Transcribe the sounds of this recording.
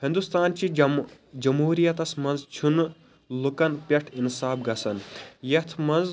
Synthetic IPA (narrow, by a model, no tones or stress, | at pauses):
hind̪ust̪aːnt͡ʃid͡ʒɐmɦuːɾijɐt̪ɐsmɐ̃nzt͡ʃʰun | lukɐnpʲeʈʰinsaːbɡɐsɐnjɐt̪ʰmɐnz